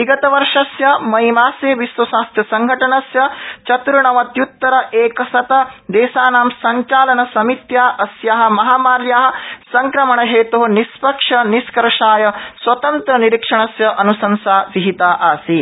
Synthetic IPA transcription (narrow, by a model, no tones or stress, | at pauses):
iɡɐt̪ɐʋɐɾʂɐsjɐmɐɦjmaːsjeːʋisʋɐsaːst̪ʰjɐsɐŋɡʱɐʈɐɳɐsjɐt͡ʃɐt̪uɾuɳɐʋɐt̪jut̪ːɐɾɐʔeːkɐsɐt̪ɐd̪eːsaːnaːmsɐɲt͡ʃaːlɐnɐsɐmit̪jaːʔɐsjaːɦɐ̆mɐɦaːmaːɾjaːɦɐ̆sɐŋkɾɐmɐɳɐɦeːt̪uɦɐnispɐkʂɐniskɐɾɐʂaːjɐswɐt̪ɐnt̪ɾɐniɾikʂɐɳɐsjɐʔɐnusɐnsaːʋiɦit̪aːʔaːsi